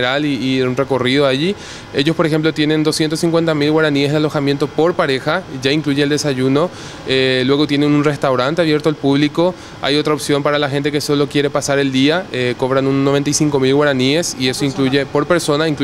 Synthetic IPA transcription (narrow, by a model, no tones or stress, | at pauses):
ɾaliːeunre̞ko̞riðoaʝi | e̞ʝo̞spoɾexe̞mplot̪je̞nẽ̞nd̪o̞sje̞nt̪osiŋkwe̞nt̪amilɣwaɾaniezðalo̞xamje̞nt̪o̞po̞ɾpaɾe̞xaʝaiŋkluʝeːld̪e̞saʝuno̞ | elwe̞ɣ̞o̞t̪je̞nenunre̞st̪awɾant̪eaβje̞ɾt̪oalpuβliko̞ | a̰jo̞t̪ɾaopsjo̞mpaɾalaxe̞nt̪e̞ke̞so̞lo̞kje̞ɾe̞pasaɾe̞ld̪iaeko̞βɾanunnːoβe̞nt̪ajsiŋko̞milɣwaɾaniesie̞soiŋkluʝe̞po̞ɾpe̞ɾso̞naiŋk